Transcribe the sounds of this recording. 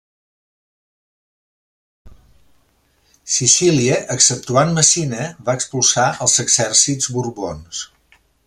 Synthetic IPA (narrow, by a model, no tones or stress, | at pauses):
sisiliəʔəksəp̚t̪uanməsinəβaəkspulˠsaʔəlˠzəɡzɛrsizβuɾβons